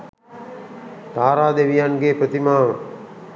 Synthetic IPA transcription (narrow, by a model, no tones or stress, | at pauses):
t̪aːɾaːd̪eʋijanɡeːpɾət̪imaːʋə